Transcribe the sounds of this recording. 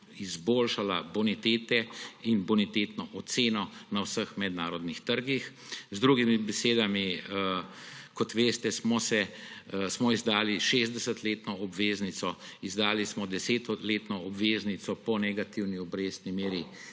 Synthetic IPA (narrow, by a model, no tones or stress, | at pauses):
izboːlʃalabunit̪eːt̪ɛinbunit̪eːt̪nɔʔɔt̪seːnɔnawsəxmɛd̪naːɾɔd̪nixt̪əɾɡix | zd̪ɾuɡimibɛseːd̪ami | kɔt̪ʋeːst̪ɛsmɔsɛsmɔizd̪aːliʃezd̪ɛsət̪leːt̪nɔɔbʋeːznit̪sɔizd̪aːlismɔd̪ɛseːt̪ɔleːt̪nɔɔbʋeːznit̪sɔpɔnɛɡat̪iwniɔbɾeːsnimeːɾi